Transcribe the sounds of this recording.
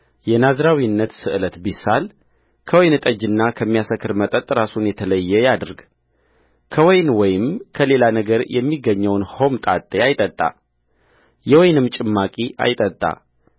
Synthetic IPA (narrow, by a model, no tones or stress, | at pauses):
jɛnazɾawinːət̪sɨʔɨlət̪bisal | kʰəwɔjnɨt̪ʼəd͡ʒɨnːakʰəmːijasəkːɨɾmət̪ʼət̪ʼɾasunjɛt̪ʰələjːɛjad̪ɨɾɡ | kʰəwɔjnwɔjɪmkʰəle̞lanəɡəɾjɛmːiɡəɲːəwnho̞mt̪ʼat̪ʼːeajt̪ʼət̪ʼːa̰ | jɛwɔjnɨmt͡ʃʼɪmːakʼia̰jt̪ʼət̪ʼːa̰